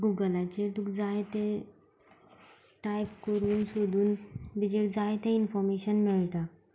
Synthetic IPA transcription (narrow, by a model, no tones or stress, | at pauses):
ɡuɡəlat͡ɕet̪ukd͡zajt̪ẽ | ʈajpkəɾuːnsod̪ʱuːnbid͡ʑeɽd͡zajet̪ẽinfɔɾmeɕənmiɭt̪a